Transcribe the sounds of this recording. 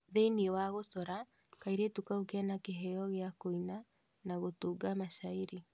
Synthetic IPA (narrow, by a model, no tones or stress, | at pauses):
ðeiniwaɣosɔɾa | kaiɾetukaokeɛnakeɦɛɔɣeakoina | naɣotuɡamaʃaiɾi